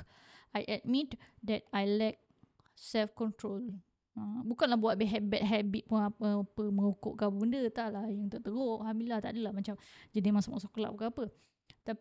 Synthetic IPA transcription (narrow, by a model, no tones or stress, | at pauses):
ajʔɛt̪̚mit̪dɛt̪̚ajlɛk̚ | sɛlfkɔnt̪ɾol | ãbukanlahbuat̪̚biɦɛbɛt̪̚ɦɛbit̪̚puŋapəpəməŋuko̰ʔkaapəbundət̪aʔlahjəŋt̪oʔt̪əɡoʔhamilaht̪aʔdəlahmat͡ʃamd͡ʒadimãsamɔʔsokola̰ʔbukaapə | t̪a